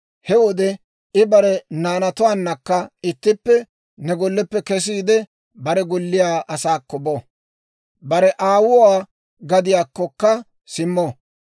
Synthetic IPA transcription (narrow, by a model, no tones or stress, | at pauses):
hɛwɔd̪ɛ | ɪbɐɾɛnaːnɐt̪ʊwaːnːɐkːɐɪt̪ːɪpːɛ | nɛɡɔlːɛpːɛkɛs̬iːd̪ɛ | bɐɾɛɡʊlːɪjaːʔɐsaːkːɔbɔ | bɐɾɛʔaːwʊwaː | ɡɐd̪ɪjaːkːɔkːɐ | sɪmːɔ